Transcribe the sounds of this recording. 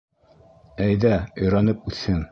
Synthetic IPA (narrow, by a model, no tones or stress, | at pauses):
æjðæŏjɾɑnɤp̚ʉθhɘŋ